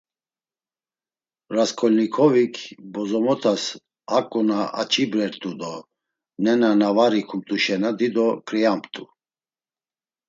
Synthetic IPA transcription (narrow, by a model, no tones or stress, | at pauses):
ɾaskʰʼɔlnikʰɔvikʰbɔzɔmɔt̪ʰas | akʼunaa̰t͡ʃʰʼibɾɛɾt̪ʼud̪ɔ | nɛnanavaɾikʰumt̪ʼuʃɛnad̪id̪ɔkʰɾiampʰt̪ʼu